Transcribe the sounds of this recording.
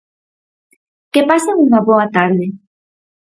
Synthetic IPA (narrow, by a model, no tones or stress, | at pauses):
kepasauŋbaβoat̪aɾðe